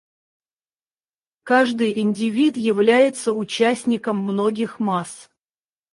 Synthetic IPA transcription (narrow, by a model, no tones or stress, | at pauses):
kaʐd̪ɨjɪnʲdʲɪvʲit̪jɪvlʲæjɪt̪səʊt͡ɕæsʲnʲɪkəmːnoɡʲɪxmas